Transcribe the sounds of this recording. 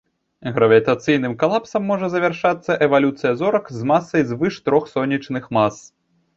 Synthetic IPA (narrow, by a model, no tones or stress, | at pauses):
ɣɾɐvʲit̪at̪sɨjnɨmkalˠapsɐmːɔʐɐzɐvʲarʂat̪sːɐʔɛvalʲut̪sɨjɐzɔɾɐkzmasːɐjzvɨʂt̪ɾɔxsɔnʲːit͡ʂnɨxmas